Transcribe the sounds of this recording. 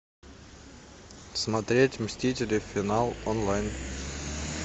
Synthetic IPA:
smɐt̪ɾʲetʲmʲsʲtʲitʲɪlʲɪfʲɪnalˠonlˠajn

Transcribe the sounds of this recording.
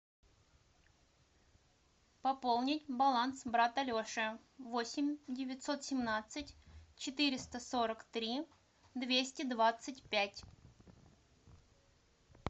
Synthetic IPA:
pɐpolˠnʲɪtʲbɐlˠansbɾat̪ɐlʲoʂɨ | vosʲɪmʲdʲɪvʲɪt̪ʲso̞t̪sʲɪmnat̪sɨtʲt͡ɕɪt̪ɨɾʲɪst̪əso̞ɾəkt̪ɾʲi | d̪vʲesʲtʲɪd̪vat̪sɨtʲpʲætʲ

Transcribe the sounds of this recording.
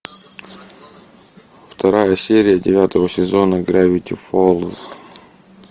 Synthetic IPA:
ft̪ʰɐɾajəsʲeɾʲɪjədʲɪvʲat̪əvəsʲɪzonəɡɾʲavʲɪt̪ʲɪfolˠz

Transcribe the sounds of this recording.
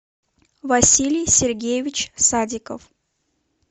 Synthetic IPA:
vɐsʲilʲɪjsʲɪrɡʲejɪvʲɪt͡ɕsadʲɪkə̰f

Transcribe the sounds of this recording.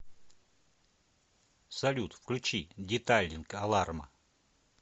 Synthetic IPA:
sɐlʲut̪fklʲʉt͡ɕidʲɪt̪alʲːɪnkɐlˠarmə̰

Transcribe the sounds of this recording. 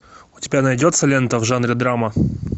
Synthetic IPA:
ʊtʲɪbʲanɐjdʲot̪səlʲent̪əvʐanɾʲɪd̪ɾamə

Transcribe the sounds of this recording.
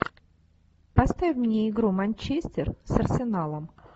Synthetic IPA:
pɐst̪avʲfʲmnʲeɪɡɾumanʲt͡ɕesʲtʲɪrsɐrsʲɪnalˠəm

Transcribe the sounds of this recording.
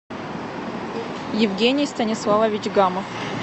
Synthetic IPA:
jɪvɡʲenʲɪjst̪ɐnʲɪslˠavəvʲɪt͡ɕɡaməf

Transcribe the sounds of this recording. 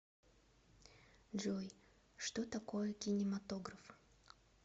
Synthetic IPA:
ʐoj | ʂt̪ot̪ɐkojəkʲɪnʲɪmɐt̪oɡɾəf

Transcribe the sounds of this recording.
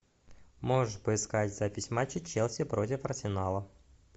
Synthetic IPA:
moʐɨʂpəɪskatʲzapʲɪsʲmat͡ɕːɪt͡ɕːelˠsʲɪpɾot̬ʲɪfɐrsʲɪnalˠə

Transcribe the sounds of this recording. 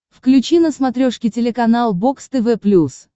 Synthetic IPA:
fklʲʉt͡ɕinəsmɐt̪ɾʲoʂkʲɪtʲɪlʲɪkɐnalˠbokst̪ɨvɛplʲus

